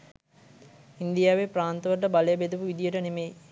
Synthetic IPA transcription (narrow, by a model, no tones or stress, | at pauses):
ind̪ijaːʋepɾaːnt̪əʋəʈəbalejabed̪upuʋid̪ijəʈənemej